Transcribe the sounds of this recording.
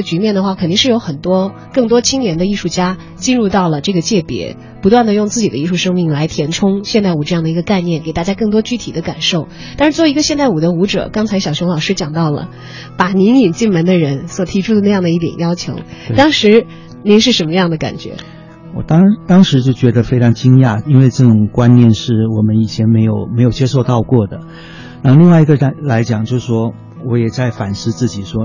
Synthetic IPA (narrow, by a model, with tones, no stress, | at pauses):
t͡ɕy˧˥mjɛ˥˩nd̪ə˩xwa˥˩kʰnt̪i˥˧ŋʂɻ̩˥˩jo˧˥ʊxə˨˩nt̪wɔ˥ | kɤ˥˩ŋt̪wɔ˥t͡ɕʰi˥ŋljɛ˧˥nd̪ə˧i˥˧ʂu˥˩t͡ɕja˥ | t͡ɕi˥˧nɻu˥˧t̪ɑ˥˩ʊlə˩ʈ͡ʂɤ˥˩ɡə˩t͡ɕjɛ˥˩pjɛ̰˧˥ | pu˧˥t̪wa˥˩nd̪ə˩jʊ˥˧ŋt͡sɹ̩˥˩t͡ɕi˨˩d̪ə˦i˥˧˩ʂu˥˩ʂɤ˥ŋmi˥˩ŋla˧˥ɪt̪ʰjɛ˧˥nʈ͡ʂʰʊ˥ŋɕjɛ˥˧nt̪a˥˩ɪu˨˩ʈ͡ʂɤ˥˧jɑ˥˩ŋd̪ə˩i˧˥ɡə˧ka˥˧ɪnjɛ˥˩nke˨˩ɪt̪a˥˩t͡ɕja˥kɤ˥˩ŋt̪wɔ˥t͡ɕy˥t̪ʰi˨˩d̪ə˦ka˨˩nʂo˥˩ʊ | t̪a˥˧ʂɻ̩˥˧t͡swɔ˥˩˧i˧˥ɡə˧ɕjɛ˥˧nt̪a˥˩ɪu˨˩d̪ə˦u˧˥ʈ͡ʂɤ̰˨˩kɑ˥ŋt͡sʰa˧˥ɪɕjɑ˨˩ʊɕjʊ˧˥ŋlɑ˨˩ʊʂɻ̩˥t͡ɕjɑ˨˩ŋt̪ɑ˥˩ʊlə̰˩ | pa˨˩ni˧˥ni˨˩nt͡ɕi˥˩nmə˧˥nd̪ə˧ɻə˧˥nswɔ˨˩t̪ʰi˧˥ʈ͡ʂʰu˥d̪ə˨na˥˧jɑ˥˩ŋd̪ə˩i˥˩t̪jɛ̰˨˩njɑ˥ʊt͡ɕʰjo̰˧˥ʊt̪ɑ˥ŋʂɻ̩˧˥ | ni˧˥nʂ̬ɻ̩˥˩ʂə˧˥nmə˧jɑ˥˩ŋd̪ə˩ka̰˨˩nt͡ɕɥɛ̰˧˥ | wɔ̰˨˩t̪ɑ˥ŋt̪ɑ˥ŋʂɻ̩˧˥t͡ɕjo˥˩ʊt͡ɕɥɛ˧˥d̪ə˧fe˥ɪʈ͡ʂʰɑ˧˥ŋt͡ɕi˥ŋja˥˩i˥nwe˥˧ɪʈ͡ʂɤ˥˩ʈ͡ʂʊ˨˩ŋkwa˥nnjɛ˥˧nʂɻ̩˥˩wɔ˨˩mə˦ni˨˩t͡ɕʰjɛ˧˥nme˧˥ɪjo˨˩ʊme˧˥ɪjo˨˩ʊt͡ɕjɛ˥ʂo˥˧ʊt̪ɑ˥˧ʊkwɔ˥˩d̪ə˩ | na˥˧li˥˧ŋwa˥˩ɪi˧˥ɡə˧˥la˧˥ɪt͡ɕjɑ˨˩ŋt͡ɕjo˥˧ʊʂ̩˥˩ʂwɔ˥ | wɔ˧˥jɛ˨˩t͡sa˥˩ɪfa˨˩nʂɻ̩˥˧t͡sɹ̩˥˩t͡ɕi˨˩ʂwɔ˥